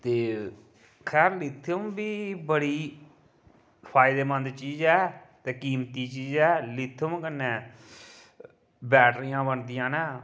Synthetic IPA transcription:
t̪eː | kʰɛːɾlɪt̪ʰːəmbiːbəɽiː | pʰaːɪd̪eːmə̃nd̪t͡ʃiːzɛːt̪eːkiːmt̪iːt͡ʃiːzɛːlɪt̪ʰːəmkənːeː | bɛːʈʰɾɪjãːbənd̪ɪjãːnɛː

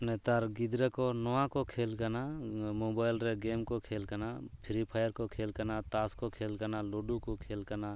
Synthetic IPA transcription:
nɛt̪aɾɡid̪ɾəkɔnɔwãkɔkʰelkanamobajlɾeɡemkɔkʰelkanapʰiɾipʰajəɾkɔkʰelkanat̪askɔkʰelkanaloɖukɔkʰelkana

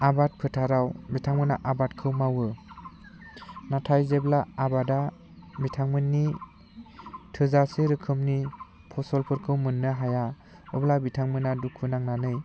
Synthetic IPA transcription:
abat̚pʰɯtʰaɾawbitʰaŋmɯnaʔabatkʰɯwmawɯ | natʰajzeblaːbada | bitʰaŋmɯnːi | tʰɯzasɯɾɯkʰɯmni | pʰɔsɔlpʰɯɾkʰɯwmɯnːɯɦaja | ɔblabitʰaŋmɯnadukʰɯnaŋnanɯj

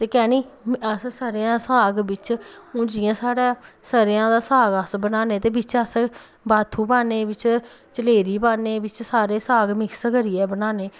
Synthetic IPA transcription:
t̪eːkɛːniːəssəɾejãːsaːɡbɪt͡ʃʊ̃ːd͡ʒɪjãːsaːɽãːsəɾɪjãːd̪aːsaːɡəsbənaːneːt̪eːbɪt͡ʃəs | baːt̪ʰːuːbaːneːbɪt͡ʃ | t͡ʃəleːɾiːbaːneːbɪt͡ʃsaːɾeːsaːɡmɪkskəɾiːɛːbənaːneː

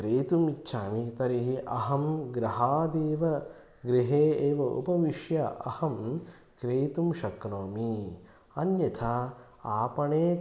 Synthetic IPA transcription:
kɾeːt̪umitːʃʰaːmit̪ɐɾiɦiʔɐɦɐmɡɾɐɦaːd̪eːʋɐ | ɡɾiɦeːeːʋɐṵpɐʋiʃjɐʔɐ̰hɐm | kɾeːt̪umʃɐkɾoːmi | ɐnjɐt̪ʰa | aːpɐɳeː

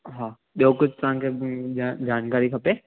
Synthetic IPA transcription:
ɦaː | ɓijokʊd͡ʑʱt̪ɐʋ̤ãkʰead͡ʑaːnkaːɾikʰɐpeː

